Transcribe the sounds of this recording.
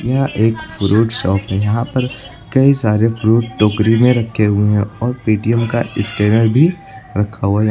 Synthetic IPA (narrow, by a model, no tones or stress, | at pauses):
jɐɦaʔeːkfʊɾuːʈsɔːpɦɛ̃jɐɦãpɐɾ | kɐisaːɾefɾuːɖʈoːkɾimẽɾɐkʰːeɦueɦɛ̃ɔːɾpiːʈiɛmka̰ɪskɛːnəlbʱi | ɾɐkʰːaɦuaj